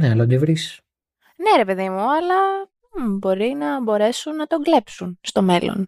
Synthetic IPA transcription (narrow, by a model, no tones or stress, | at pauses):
neɐlod̪evɾis | ne̞ɾe̞pe̞ðimuɐlɐ | bo̞ɾinɐbo̞ɾe̞sunːɐt̪o̞ŋɡle̞psunst̪o̞me̞lo̰n